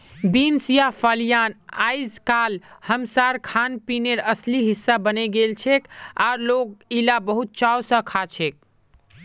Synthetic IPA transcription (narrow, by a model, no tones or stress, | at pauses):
binsjapʰəljanajd͡ʒkalhəmsaɾkʰanpineɾəsliɦisːabəneɡelt͡ʃʰeka̰ɾloɡ̚ilabəɦut̪̚t͡ʃawsə̃kʰat͡ʃʰek̚